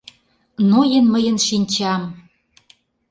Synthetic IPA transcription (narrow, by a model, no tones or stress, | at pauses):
nojənməjə̆nʃinʲt͡ɕɑm